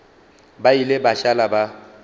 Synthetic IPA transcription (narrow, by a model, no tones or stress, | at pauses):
bailɪbaʃalaba